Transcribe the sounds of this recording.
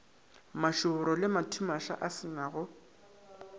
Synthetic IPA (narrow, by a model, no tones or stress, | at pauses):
maʃʊʊɾɔlɪmatʰumaʃa̰ʔasɪnaɣʊ